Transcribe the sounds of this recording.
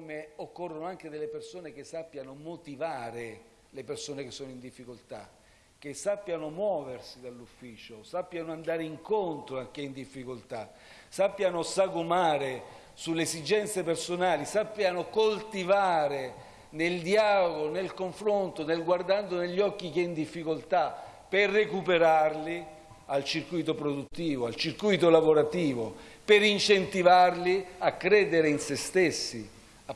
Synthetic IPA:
meokːorːonoaŋk̟ed̪elːepersoːnek̟esːapːjanomot̪ivaːɾe | lepersoːnek̟esːoːnoind̪ifːikolt̪a | k̟ːesːapːjanomwɔːversid̪alːufːiːt͡ʃosapːjanoand̪aːɾeiŋkont̪ɾoak̟ːeind̪ifːikolt̪a | sapːjanosaɡomaːɾe | suleesid͡ʒɛnt̪sepersonaːlisapːjanokolt̪ivaːɾe | neld̪iaːloɡonelkoɱfɾont̪onelɡward̪and̪oneʎːɔkːik̟eind̪ifːikolt̪a | pːɪrːekupeɾarli | alt͡ʃirkujt̪opɾod̪ut̪ːiːvoalt͡ʃirkujt̪olavoɾat̪iːvo | peɾint͡ʃent̪ivarliakːɾɛːd̪eɾeinsest̪esːḭ

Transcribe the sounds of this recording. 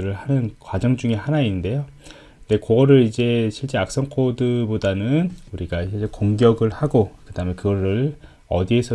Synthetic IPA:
ɯɾɯɭhanɯnkwad͡ʑʌŋd͡ʑuŋe̞ɦanainde̞jo | nde̞koɡʌɾɯɾid͡ʑe̞ɕʰiɭt͡ɕ͈eak̚s͈ʌŋkʰodɯbodanɯnuɾiɡaɕʰit͡ɕekoŋɡjʌɡɯɭhaɡokɯdaɦɯmekɯɡʌɾɯɭ | ʌ̰diesʰʌ

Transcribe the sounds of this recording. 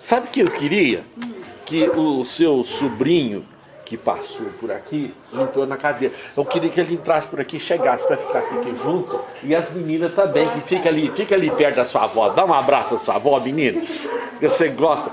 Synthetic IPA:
sabɪʊkɪewkɪɾiɐ̰kɪʊsewsubɾĩɲʊ | kɪpa̰sopʊɾa̰ki | lẽnt̪ɾonɐkad̪eɾɐewkɪɾiɐkelɪẽnt̪ɾasɪ̥pʊɾakiʃeɡasɪ̥pɾɐfi̥kasɪakiʒũnt̪ʊɪɐzmĩnĩnɐst̪ɐ̃bẽj̃kɪfikɐalifikɐalipɛɾd̪ɐsua̰vɔd̪aũabɾasʊɐsuɐ̰vɔminĩnɐoseɡɔst̪ɐ

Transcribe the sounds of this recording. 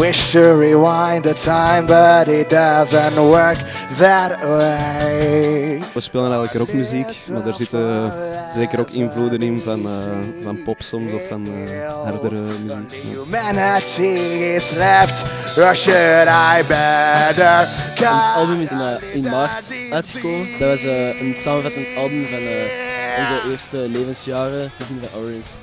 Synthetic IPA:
wɪʃtʰɨɹiwãɪ̃nðətʰãɪ̃mbʌɾɪt̚d̥ʌzə̃ntwɜ˞kðət̚weeɪ | ʋəspeːlənɛɣələkəɾoːkmyziːkmaːdərzɪtəzeːkəɾoːkɪnvluːdənɪnvɑnəvɑnpɔpsɔmsɔfːɑnɦardəɾəmyziːkja̰mɛnət͡ʃiɪslɛftɹɔʃəɾajbɛdəkɔnsɑlˠbʉmɪnəːɪnmart | œɥtxəkoːmədɑʋɑsəːənsaːmənvɑtəntɑlˠbʉmvɑnəːɔnzəʔeːrstəleːvənsjaːrəbəɣɪnvɑnʔɔɹəns

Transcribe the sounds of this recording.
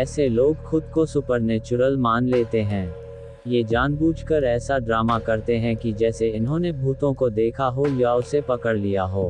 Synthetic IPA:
ɛːseloːɡxʊd̪kosʊpəɾneːt͡ʃʊɾəlmaːnleːt̪eɦɛ̃ː | jed͡ʒaːnbuːd͡ʒkəɾɛːsaɖɾaːmakɐɾt̪eɦɛ̃kid͡ʒɛːseɪnɦõnebʱuːt̪õkod̪eːkʰaɦojaʊsepɐkəɽlijaɦoː

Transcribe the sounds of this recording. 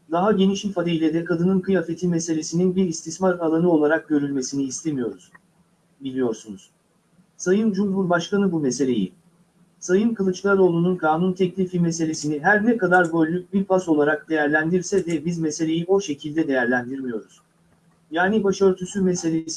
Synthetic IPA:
d̪aɦaɟe̞niʃilʲfad̪ejilʲɛd̪ɛkʰad̪ɯnɯnkɯjafe̞t̪ʰime̞se̞lʲe̞sininbiɾist̪ismaɾalˠanɯo̞lˠaɾak̚ɟø̞ɾylʲme̞siniːst̪ʰe̞mijo̞ɾuz̥ | bilʲijo̞ɾsunuz̥ | sajɯnd͡ʒumbuɾbaʃkanɯbumese̞lʲe̞̰jḭ | sajɯnkʰɯlˠɯt͡ʃlˠaɾo̞ːlˠununkʰaːnunt̪ʰɛclʲifime̞se̞lʲe̞siniɦæɾnɛkad̪aɾbølːʲyc̚biɾpʰaso̞lˠaɾak̚d̪e̞jæɾlʲænd̪iɾsɛd̪ɛbizmese̞lʲe̞jio̞ʃe̞cʰilʲd̪ɛd̪e̞jæɾlʲænd̪iɾmijo̞ɾuz̥ | jaːnibaʃø̞ɾt̪ʰysymese̞lʲes

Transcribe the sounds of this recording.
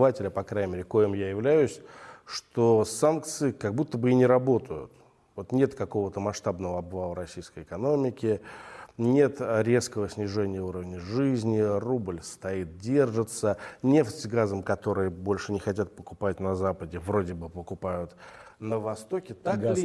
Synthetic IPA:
vatʲɪlʲɪpɐkɾajʲɪmʲeɾʲɪkojɪmjajɪvlʲæjʊsʲʂt̪o̞sankt̪sɨɪkɐɡ̚but̪ːəbɨinʲɪɾɐbo̞t̪ʰəjʊ̰t̪ | vo̞t̪nʲe̞t̪kɐko̞vət̪əmɐʂt̪abnəvəɐbvalˠəɾɐsʲijskəjɪkɐno̞mʲɪkʲɪ | nʲe̞t̪ɾʲe̞skəvəsʲnʲɪʐɛnʲɪjəuɾəvnʲəʐɨzʲnʲɪrublʲst̪ɐit̪̚dʲe̞rʐɨt̪sənʲe̞ftʲɡazəmkɐt̪o̞ɾɨjəbo̞lʲʂɨnʲɪxɐtʲat̪̚pəkʊpatʲnɐzapədʲɪvɾo̞dʲɪbɨpəkʊpajʊt̪nəvɐst̪o̞kʲɪt̪ak

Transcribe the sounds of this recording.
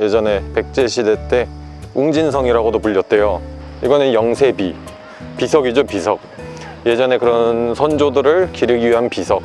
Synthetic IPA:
je̞d͡ʑʌne̞pe̞k̚t͡ɕ͈e̞ɕʰidet͈e̞ | uŋd͡ʑinsʰʌŋiɾaɡodopuʎːʌt̚t͈e̞jo | iɡʌnɯnjʌŋsʰe̞bi | pisʰʌɡid͡ʑopisʰʌk̚ | je̞d͡ʑʌne̞kɯɾʌnsʰʌnd͡ʑodɯɾɯɭkiɾɯɡiɥiɦanpisʰʌk̚

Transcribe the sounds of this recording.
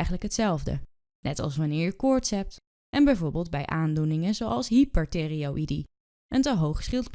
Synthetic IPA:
jχənləkɦətsɛlˠvdə̰ | nɛtɑ̰lˠsʋanɪːɹkɔɹtsɛp̚t | ʔɛnbɛjvoːɹbɪːlˠd̚bɛjʔaːndunɪŋənzowʔɑlˠsɦipɛɹteriowʔidi | ʔəntəɦowχsχɪlˠt

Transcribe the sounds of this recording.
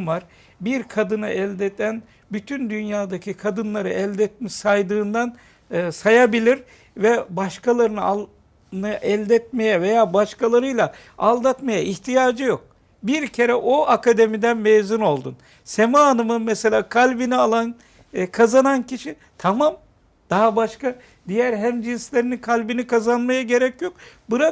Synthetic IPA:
vaɾ | biɾkʰad̪ɯnɯʔɛlʲd̪ɛt̪ʰæn | byt̪ʰynd̪ynjaːd̪acʰikʰad̪ɯnlˠaɾɯʔɛlʲd̪ɛt̪̚miʃsajd̪ɯːnd̪anː | sajabilʲiɾ | vɛbaʃkʰalˠaɾɯnɯa | nɯʔɛlʲd̪ɛt̪̚me̞jɛve̞jaːbaʃkalˠaɾɯjlˠa | alˠd̪at̪majaʔiçt̪ʰijaːd͡ʒɯjo̞k̚ | biɾcʰe̞ɾɛʔoakʰad̪e̞mid̪ænmejzuno̞lˠd̪un | semaːnɯmɯnmɛse̞lʲaːkʰalʲbinialˠan | kʰazananciʃi | t̪ʰamam | d̪̥aɦabaʃka | d̪ijæɾɦæmd͡ʒinslʲe̞ɾinikʰalʲbinikʰazanmajaɟe̞ɾɛcjo̞k̚buɾa

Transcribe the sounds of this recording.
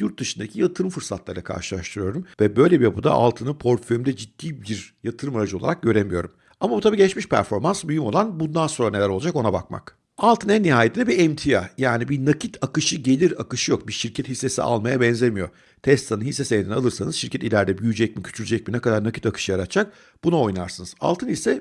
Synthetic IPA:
juɾt̪̚d̪ɯʃɯnd̪acʰijat̪ʰɯɾɯmfɯɾsat̪lˠaɾila̰kʰa̰ɾʃɯlˠaɾʃt̪ʰɯɾɯjo̞ɾumvɛbø̞jlʲebijapʰud̪a̰ʔa̰lˠt̪ʰɯnɯpʰo̞ɾføjymd̪ɛd͡ʒid̪̥ːiːbiɾjat̪ʰɯɾɯmaɾad͡ʒɯo̞lˠa̰ɾak̚ɟø̞ɾemijo̞ɾum | amabut̪ʰabiːɟɛt͡ʃmiʃpʰæ̰ɾfo̞ɾmansbyjymo̞lˠanbund̪anso̞nɾane̞lʲæɾolˠad͡ʒako̞naba̰kma̰k | alˠt̪ʰɯnænːiɦaːjet̪inɛbiɛmt̪ʰijajaːnibinacʰit̪ʰakɯʃɯɟe̞lʲiɾakɯʃɯjo̞kbiʃiɾcʰɛt̪hisːe̞sḭʔa̰lˠmajabɛnzʲemijo̞ | t̪ʰɛst̪ʰanɯnhisːesend̪nalˠɯɾsanɯz̥ʃiɾcʰɛt̪ilʲæɾd̪ɛbyjyd͡ʒɛc̚micʰy̥t͡ʃʰyɾyd͡ʒɛc̚minɛkʰad̪aɾnacit̪akʰɯ̥ʃɯjaɾat̪t͡ʃʰak̚ | b̥unao̞jnaɾsɯnɯz̥a̰lˠt̪ʰɯnisɛ

